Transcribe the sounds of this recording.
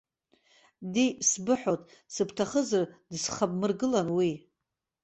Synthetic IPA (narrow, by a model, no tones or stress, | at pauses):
disbɨħʷᶣotʼ | sɨpʰtʰaχəzɨrdsχab̚ʼmɨrɡɨlanwi